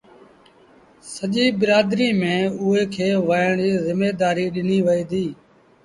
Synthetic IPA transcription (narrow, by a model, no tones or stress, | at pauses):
səʄiːɓɪɾaːd̪ɾiːmẽːʊɦeːkʰeːʋaːɳiːzɪmeːd̪aːɾiːɗɪniːʋəiːd̪iː